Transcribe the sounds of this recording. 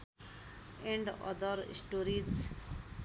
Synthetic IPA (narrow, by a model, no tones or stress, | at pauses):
ẽɳɖʌ̰d̪ʌɾḭsʈoɾid͡z